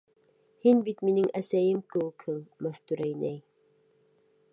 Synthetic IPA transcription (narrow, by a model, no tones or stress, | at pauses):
hinbit̪minɘŋʔæsæjɘmkɘ̆wɘkhɘŋmæst̪uɾæjnæj